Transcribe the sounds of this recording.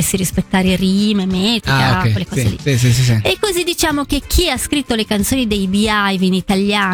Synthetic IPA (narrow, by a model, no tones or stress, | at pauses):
esːiɾispet̪ːaːɾerimemet̪ikakwelːekɔːzelḭisisisiekːozid̪it͡ʃaːmok̟ek̟ʰːiaskɾit̪ːolekant̪soːnid̪ejbiajvinit̪aljaː